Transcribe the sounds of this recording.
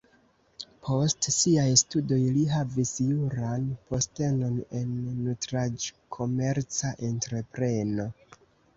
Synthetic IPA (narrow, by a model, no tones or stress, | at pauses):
pʰo̞stsiajstudo̞jliɦavisjuɾanpo̞ste̞no̞ne̞nːutɾad͡ʒkʰo̞me̞ɾt͡saʔentɾe̞pɾe̞no̞